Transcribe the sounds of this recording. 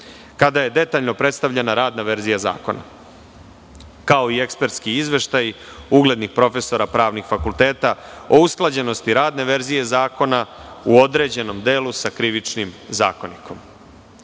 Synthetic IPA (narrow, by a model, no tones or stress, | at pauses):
kad̪aje̞d̪e̞t̪aːʎno̞pɾe̞t̪st̪aʋʎenaɾaːd̪naʋe̞ɾzijaza̰ːko̞na̰ | kao̞ie̞kspe̞ɾt̪skiizʋe̞ʃt̪aj | uɡle̞d̪nixpɾo̞fe̞so̞ɾapɾaːʋnixfakulˠt̪e̞ːt̪ao̞usklˠad͡ʑe̞no̞st̪iɾaːd̪ne̞ʋe̞ɾzije̞zaːko̞nauo̞d̪ɾe̞ːd͡ʑe̞no̞md̪e̞ːlusakɾiʋit͡ʃnimza̰ːko̞nikʰo̞m